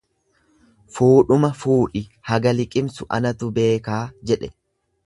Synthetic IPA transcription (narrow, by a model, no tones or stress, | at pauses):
fuːᶑʊmɐfuːᶑɪhɐɡɐlɪkʼɪmsʊʔɐ̰nɐt̪ʊbe̞ːkaːd͡ʒɛᶑɛ